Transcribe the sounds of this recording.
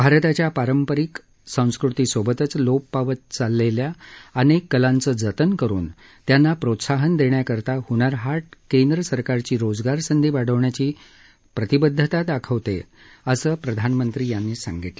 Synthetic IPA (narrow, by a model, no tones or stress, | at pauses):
bʱaɾt̪at͡ɕjapaɾəmpəɾik | sə̃w̃skɾut̪iːsʋobət̪ət͡sloppaʋət̪̚t͡salːeljaənekːəlãnt͡səːd͡zət̪ənkəɾṵːn | t̪janːapɾot̪saɦənd̪eɳjakəɾt̪ahuɳaɾɦaʈkend̪ɾəsəɾkaɾt͡ɕiːɾod͡zɡaɾsənd̪ʱiːʋaɽ̤əʋɳjat͡ɕiː | pɾət̪ibəd̪ʱːət̪ad̪akʰəʋt̪ḛ | əsəːpɾəd̪ʱanmənt̪ɾiːjanːiːsã̰ŋɡiʈlə